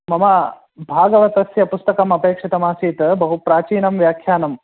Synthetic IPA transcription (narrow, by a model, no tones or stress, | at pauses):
mɐma | bʱaːɡɐʋɐt̪ɐsjɐpust̪ɐkɐmɐpeːkʂɐt̪ɐmaːsiːt̪ɐbɐɦupɾaːt͡ʃiːnɐmʋjaːkʰjaːnɐm